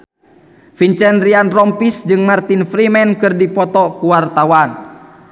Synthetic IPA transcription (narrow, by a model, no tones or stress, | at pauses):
fiɲt͡ʃɛnrianrɔmpisd͡ʒɨŋmart̪infɾimɛnkɨrdipɔt̪ɔkuwart̪awan